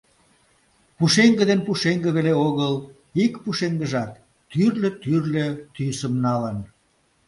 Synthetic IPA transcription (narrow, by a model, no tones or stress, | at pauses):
puʃeŋɡə̆d̪enpuʃeŋɡə̆βeleoɣəl | ikpuʃeŋɡəʒɑt̪ː | yrlĕt̪yrlet̪ysəmnɑlən